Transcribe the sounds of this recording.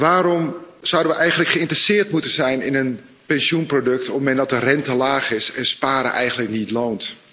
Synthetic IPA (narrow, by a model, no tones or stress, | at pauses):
ʋaːɾɔmz̥ʌwdəʋəʔɛjɣəndləkχəɪntrəsɪːrtmutənzɛjnɪnən | pɛnsjunprodøk̚tʰɔpəmɛndɔtərɛntəlaːxɪsɛnspaːɾə̰ʔɛjɣəndləknitloːnt